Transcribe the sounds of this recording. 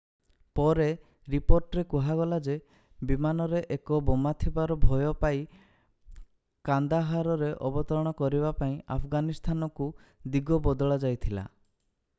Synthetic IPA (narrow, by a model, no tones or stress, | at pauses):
pɔɾe | ɾipoɾʈɾekuɦaɡɔlad͡ʒe | bimanɔɾeʔekɔbɔmat̪ʰibaɾɔbʱɔjɔpai | kand̪aɦaɾɔɾeʔɔbɔt̪ɔɾɔɽ̃ɔkɔɾibapaĩa̰pʰɡanist̪ʰanɔkud̪iɡɔbɔd̪ɔɭad͡ʒajt̪ʰila̰